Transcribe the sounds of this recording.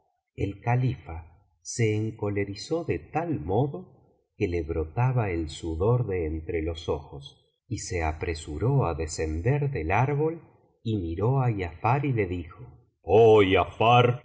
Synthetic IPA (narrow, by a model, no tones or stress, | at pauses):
ḛlkalifa | se̞ːŋko̞le̞ɾisoðet̪almo̞ðo | keleβɾo̞t̪aβaelsuðo̞ɾðe̞ːnt̪ɾelo̞soxos | ise̞apɾe̞suɾoaðese̞nd̪eɾðelaɾβo̞l | imiɾoajafaɾile̞ðixo | ojafaɾ